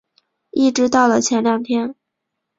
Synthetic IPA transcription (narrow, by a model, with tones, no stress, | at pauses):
i˥˩ʈ͡ʂɻ̩˧˥t̪ɑ˥˩ʊlə˩t͡ɕʰjɛ˧˥nljɑ˥˩ŋt̪ʰjɛ˥n